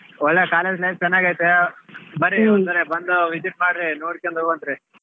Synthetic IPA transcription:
ɔɭːekaːled͡ʒlɐjʋt͡ʃɛnːaːɡaːjt̪ebɐɾiont̪ɐɾebɐnd̪uʋid͡ʒiʈ̚maːɽɾinoːɽkend̪obɐnd̪ɾi

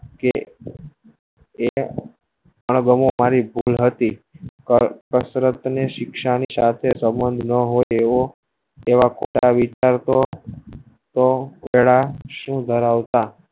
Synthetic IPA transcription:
ke | e | əɳɡəmomaɾibʱulɦət̪i | kəsɾət̪neʃɪkʃanisat̪ʰesəmbənd̪ʱnəɦojeo | eʋakʰo̰ʈa̰ʋit͡ʃaɾt̪o | t̪oʋeɭaʃũd̪ʱəɾaʋt̪a

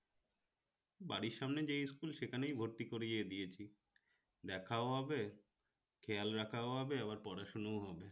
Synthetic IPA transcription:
baɽiɾʃamned͡ʑejskulʃekʰanejbʱoɾt̪ikoɾied̪ijet͡ɕʰi | d̪ɛkʰaoɦɔbe | kʰɛjalɾakʰaoɦɔbeaβaɾpɔɾaʃonoɦɔbe

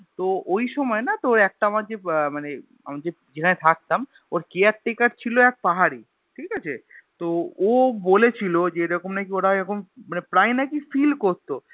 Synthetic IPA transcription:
t̪oojʃɔmɔenat̪oɾɛk̚ʈaamaɾd͡ʑemane | a̰mad͡ʑe | d͡ʑekʰanet̪ʰak̚t̪am | oɾkejaʈ̚ʈːekaɾt͡ɕʰiloɛk̚paɦaɾi | ʈʰikat͡ɕʰḛt̪oobolet͡ɕʰilod͡ʑeeɾɔkomnakioɾaeɾɔkʰommanepɾajnakifilkoɾt̪o

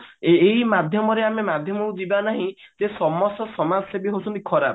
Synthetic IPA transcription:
ejmad̪ʱjɔmɔɾeamemad̪ʱjɔmɔkud͡ʒibanaɦĩd͡ʒesɔmɔsɔsɔmad͡ʒsebiɦosʰɔnt̪i̥kʰɔɾa̰b

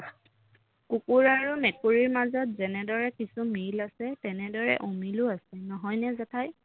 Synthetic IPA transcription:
kukuɹaɹumɛkuɹiɹmazɔt̚zɛnɛdɔɹɛkisumilasɛtɛnɛdɔɹɛ̰ʔumilʊasɛnɔɦɔjnɛzatʰaj

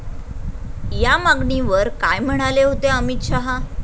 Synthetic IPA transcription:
jamaɡɳiʋəɾkajm̤əɽ̃aleɦot̪eəmit̪ɕaɦa

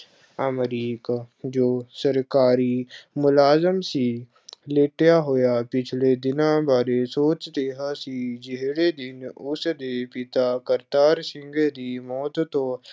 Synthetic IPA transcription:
əmɾiːkad͡ʒoːsəɾkaːɾimʊlaːzəmsi | leʈjaɦojapɪt͡ʃʰled̪ɪnãbʱaːɾesoːt͡ʃt̪eɦasid͡ʒeɦɽed̪ɪnʊsd̪eːpɪt̪akəɾt̪aːɾsɪ̃ŋɡed̪imɔːt̪t̪oː

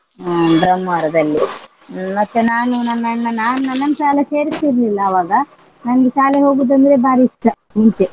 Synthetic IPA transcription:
bɾɐmːʋaːɾɐd̪ɐlːi | mɐt̪ːunaːnunɐnːɐnːɐnaːnunːɐnːɐnsaːlɐse̞ːɾisiɾlilːɐːʋaːɡɐ | nɐnɐɡesaːleɦo̞ːɡuːd̪ɐnd̪ɾe̞baːɾiiʂʈːɐ | ɦiɲt͡ʃ̪e

